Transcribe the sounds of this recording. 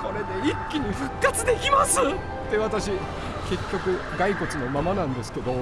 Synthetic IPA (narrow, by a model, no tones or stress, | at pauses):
ko̞ɾe̞d̪e̞ikʲːiɲ̟iɸɯ̟kːat͡sɨd̪e̞kʲimasɨ | t̪ːe̞βat̪aɕi | ke̞kʲːokɯ̟ | ɡaiko̞t͡sɨno̞mamanãnd̪e̞sɨ̥ke̞d̪o̞